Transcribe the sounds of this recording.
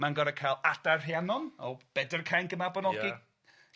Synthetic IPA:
manɡɔɾəkʰajlˠad̥arheanɔnɔb̥ɛdərkʰajnɡəmabɔnɔɡɪ

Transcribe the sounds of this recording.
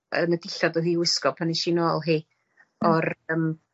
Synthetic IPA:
ənədɪɬɔdɔɦiːwɪskɔpʰaniʃinoːlˠɦiː | ɔrəm

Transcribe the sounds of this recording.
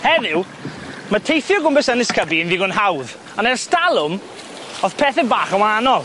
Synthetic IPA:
hɛðɪw | matʰejθjɔɡʊmbɛsənɪskʰəbiɪnviɡʊnɦawð | anɛrstalˠʊm | ɔðpʰɛːθɛbaːχəwanɔlˠ

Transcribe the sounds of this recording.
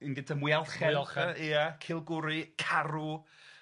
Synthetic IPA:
ənɡədamwijalˠχɛɔlˠχəiakʰɪlˠɡʊɾikʰaɾu

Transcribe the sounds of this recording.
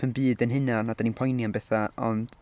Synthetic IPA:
ənbɨːdənɦɨnanad̥aninpʰɔjnjanbɛθaɔ̰nd̥

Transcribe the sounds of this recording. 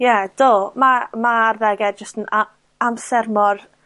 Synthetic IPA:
jɛd̥omamarðɛɡɛd̚d͡ʒəstəna | amsɛrmɔr

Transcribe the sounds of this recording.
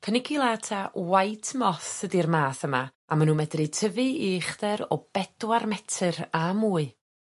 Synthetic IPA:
kʰənɪɡilˠatʰawajtʰmɔθədirmaːθəma | amanuːmɛdrɨtʰəvɨiχdɛɾɔb̥ɛd̥warmɛtʰɨramuːɨ

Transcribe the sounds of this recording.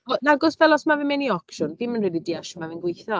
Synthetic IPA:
ɔnaɡɔsvɛlˠɔsmavɪmɛniɔkʃʊnvɪmənrɛdidiaʃɔmavɪnɡwejθɔ

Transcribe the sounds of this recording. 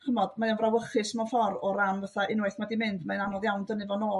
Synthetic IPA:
χəmɔd̥majanvrawəχɨsmɔfɔrɔɾamvaθaʔɪnwajθmadimɪndmaɨnanɔðjawndənɨvɔnoː

